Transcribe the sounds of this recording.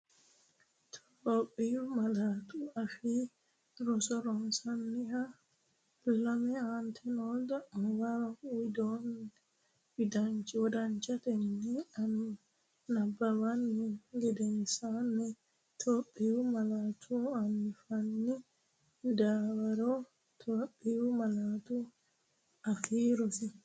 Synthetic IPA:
tʰ | oɓːijumalatuafi | ɾɔsɔɾɔnsanːiha | lamɛant̪ʰɛnɔdamɔwaɾaujdɔn | bidaɲt͡ʃiwɔdaɲt͡ʃat̪ɛnːiani | nabːawanːiɡɛdɛnsanːɛ | tʰoɓiwumalatʰuanːifanːi | daːwaɾɔ | tʰoɓiwumalatu | afiːɾɔfi

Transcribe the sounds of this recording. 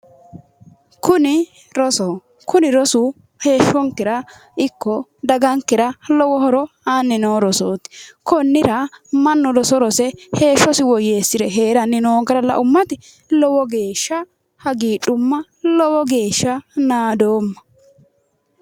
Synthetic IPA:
kʊnɪ | ɾɔsɔ | kʊnɪɾɔsʊ | he̞ːʃːɔŋkɪɾɐ | ɪkːɔd̪ɐɡɐŋkːɪɾɐlɔwɔhɔɾɔ | ɐnːɪnoːɾɔsoːt̪ɪ̥kɔnːɪɾɐmɐnːɔɾɔsɔɾɔsɛhe̞ːʃːɔsɪwɔje̞ːsːɪɾɛɦe̞ːɾɐnːɪnoːɡɐɾɐlɐ̰ʔʊmːɐt̪ɪ | lɔwɔɡe̞ːʃːɐ | hɐɡiːᶑʊmːɐ | lɔwɔɡe̞ːʃːɐnaːd̪oːmːɐ̥

